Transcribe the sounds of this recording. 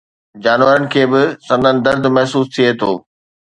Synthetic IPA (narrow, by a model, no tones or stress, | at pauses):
d͡ʑaːnʋəɾənɪ̆kʰeːbɪsɐ̃nd̪ʱənɪ̆d̪ɐɾd̪ʱmɛɦsuːst̪ʰiet̪ʰoː